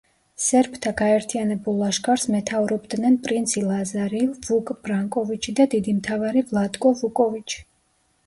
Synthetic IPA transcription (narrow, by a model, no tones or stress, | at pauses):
sɛɾpʰt̪ʰaɡaɛɾt̪ʰianɛbulˠaʃkʰʼaɾsmɛt̪ʰauɾɔbd̪nɛnpʼɾint̪sʰilˠazaɾilvukʼb̥ɾaŋkʼɔvit͡ʃʰid̪ad̪id̪imt̪ʰavaɾivlˠad̪kʼɔvukʼɔvit͡ʃʰi̥